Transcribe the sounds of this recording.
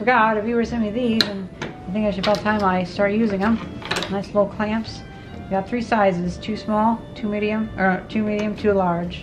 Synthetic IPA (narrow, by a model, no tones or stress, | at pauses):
fə˞ɡɑɾɨfwiwə˞sɛ̃iðizɨ̃naɪθɪ̃ŋkaɪʃɨɾbɛtʰãɪ̃maɪstɑɹt̚jʉzɪ̃ŋə̃mnaɪslɪɾl̩ˠkʰl̥æ̃mps | wiɡɑt̪̚θɹisaɪzɨz̥tʰʉsmɔlˠtʰʉmiɾiɨ̃mʔə˞tʰʉmiɾiɨ̃mtʰʉlɑɹd̥ʒ̥